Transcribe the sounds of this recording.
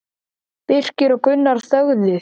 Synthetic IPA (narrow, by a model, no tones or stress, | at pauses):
pɪr̥cɪɾɔɣkʏnːaɾ̥θœɣðɪ